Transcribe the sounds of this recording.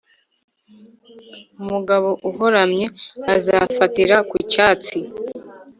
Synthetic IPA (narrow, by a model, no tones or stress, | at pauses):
umuɡaβo̞ʔuɦo̞ɾamɲe̞azafatiɾakucaːt͡si